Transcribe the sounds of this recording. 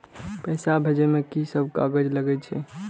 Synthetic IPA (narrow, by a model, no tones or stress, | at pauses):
pəɪsabʱed͡ʒemekisəbʱka̰ɡəd͡ʒləɡɛt͡ʃʰɛ